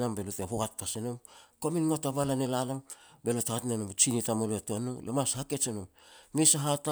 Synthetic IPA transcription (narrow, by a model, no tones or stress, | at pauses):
nambeloteɦoɡat̚pasenomkominŋotaβalanelalambelotaatnenomut͡ʃinitamoloatuanolḛmashaket͡ʃenom | misaɦata